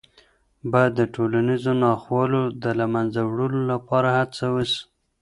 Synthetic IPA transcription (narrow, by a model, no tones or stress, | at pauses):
bɑjad̪ːəʈolanizonɑxwɑlod̪əlamanzawɽəlolapɑɾahat͡sawəs